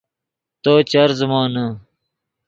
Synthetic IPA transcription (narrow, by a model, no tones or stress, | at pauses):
t̪oːt͡ɕɐɾzmɑːnɐ